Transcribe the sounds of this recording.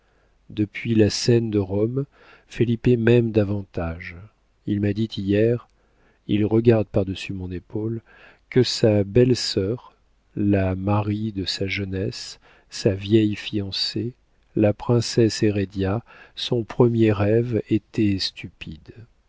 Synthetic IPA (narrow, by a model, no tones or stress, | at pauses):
d̪əpʰɥilasɛnd̪əʁɔm | felipemɛmd̪avɑ̃t̪aʒ | ilmad̪it̪ʰijɛʁ | ilʁəɡaʁd̪paʁd̪əsymɔ̃nepol | kəsabɛlsœʁ | lamaʁid̪əsaʒənɛsː | avjɛjfijɑ̃se | lapχɛ̃sɛseʁed̪jasɔ̃pχəmjeʁɛvet̪ʰɛst̪ypid̪